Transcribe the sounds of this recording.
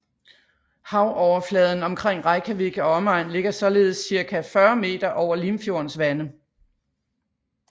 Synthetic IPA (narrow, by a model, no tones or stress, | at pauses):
hɑ̈ʊʔɒʊɐflɛːð̞ˠn̩ɒ̽mkʰʁeŋ̰ʁɑ̈ɪkʰæʋiɡ̥əɒ̽ɒmɑ̈ɪnle̝ɡ̥ɐsɒ̽le̝ːð̞̩ˠsːiɐkʰæfɶɐme̝̰ːd̥ɐʔɒʊɐlimfjo̝ɐnsʋænə